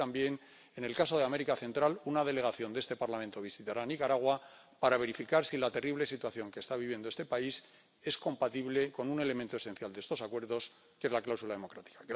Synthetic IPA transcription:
ambje̞n | e̞ne̞lkaso̞ð̞eame̞ɾikaθe̞nt̪ɾalunað̞e̞le̞ɣ̞aθjo̞nd̪eest̪e̞paɾlament̪o̞β̞isit̪aɾanikaɾaɣ̞wa | paɾaβ̞e̞ɾifikaɾsilat̪e̞riβle̞sit̪waθjo̞ŋkest̪aβiβje̞nd̪oe̞st̪e̞pais | e̞sko̞mpat̪iβle̞ko̞nune̞le̞mẽnt̪ose̞nθjald̪ee̞st̪osakwe̞ɾðo̞s | keezlaklawsulaðe̞mo̞kɾat̪i̥kaɣ

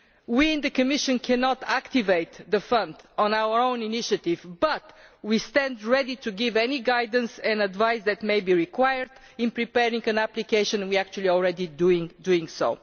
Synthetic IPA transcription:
wiɛ̃nd̪əkəmɪʃə̃nkʰɛnɔt̪ʰækt̪iveɪt̪d̪əfʌ̃nd̪ɔ̃naʊə˞õʊ̃niniʃət̪ɪvbʌt̪wist̪ɛ̃ndɹɛd̪it̪ʰuɡɪvɛniɡajd̪ə̃nsɛ̃nəd̪vaɪsd̪ɛt̪meɪbiɹikwajəɹd̪ | ɪ̃npɾipɛɹĩŋɡɛ̃næplikeɪʃə̃nwiæk̚t͡ʃuəlˠiɔlˠɹɛd̪iduɪ̃ŋd̪uɪ̃ŋso̰ʊ

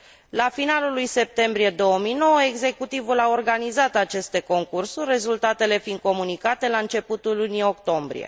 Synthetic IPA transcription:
lafinalulːujse̞p̚t̪e̞mbɾije̞d̪o̞wəmijno̞wəe̞ɡze̞kut̪ivulao̞rɡanizat̪at͡ʃe̞st̪e̞ko̞ŋkursure̞zult̪at̪e̞le̞find̪̚ko̞munikat̪e̞laɨnt͡ʃe̞put̪ulːunio̞kt̪o̞mbɾḭe̞̰

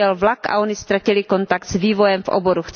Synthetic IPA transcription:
ɛlvlaka̰oɲist̪ɾacilikont̪aɡt̪z̥viːvɔjɛmvʔɔ̰bɔɾux

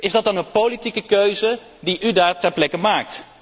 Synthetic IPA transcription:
ɪzdɑt̚dɑnənpolitikəkøɥzə | diʔydaːɹtɛplɛkənmaːk̚t

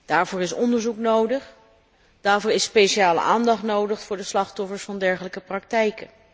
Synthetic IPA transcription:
d̥aːɹvʊːɹɪsɔ̰ndəɹzuknowdəχ | d̥aːɹvʊːɹɪspejʃəaːlə̰ʔaːndɑχtnowdəχtfʊːɹdəslɑχtɔfəɹsfɑndɛɹχələkəprɑk̚tɛjkə̰n

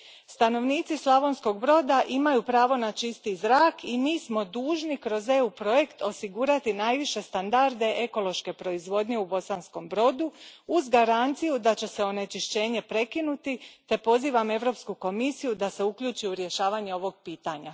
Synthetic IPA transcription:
st̪ano̞ʋniːt̪sislˠaʋo̞nsko̞ɡbɾo̞d̪aʔimajupɾaːʋo̞nat͡ʃist̪izɾaːkʰimiːsmo̞d̪uːʒnikɾo̞ze̞upɾo̞je̞kt̪o̞siɡuːɾat̪inajʋiʃe̞st̪and̪aɾd̪e̞ʔe̞ko̞lˠo̞ʃke̞pɾo̞izʋo̞d̪ɲe̞ubo̞sansko̞mbɾo̞d̪uuzɡaɾant̪sijud̪at͡ɕe̞se̞o̞ne̞t͡ʃiʃt͡ɕe̞ːɲe̞pɾe̞kinut̪it̪e̞po̞ziːʋame̞ʋɾo̞pskuko̞misijud̪ase̞ukʎuːt͡ʃiuɾje̞ʃaːʋaɲe̞o̞ʋo̞ɡ̚piːt̪aɲa

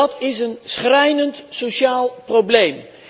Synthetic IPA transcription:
ɑtɪsənsχrɛjnəntsoʃaːlˠproblejm

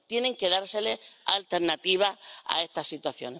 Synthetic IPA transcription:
t̪je̞ne̞ŋke̞ðaɾse̞le̞alt̪e̞ɾnat̪iβ̞aa̰e̞st̪asit̪waθjo̰ne

